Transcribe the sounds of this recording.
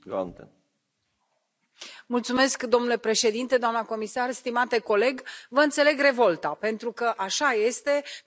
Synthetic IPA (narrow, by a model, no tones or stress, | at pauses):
ɡa̰t̪e | mult̪sume̞skd̪o̞mnule̞pɾe̞ʃe̞d̪int̪e̞d̪oamnəko̞misarst̪imat̪e̞ko̞le̞ɡvəɨnt̪se̞le̞ɡre̞vo̞lt̪ape̞nt̪ɾukəʔaʃaje̞st̪e̞